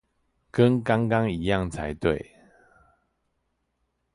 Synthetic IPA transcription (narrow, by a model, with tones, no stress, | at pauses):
kə˦nka˦ŋka˦ŋi˨˦ja˥˨ŋt͡sʰa˨˦ɪt̪we˥˨ɪ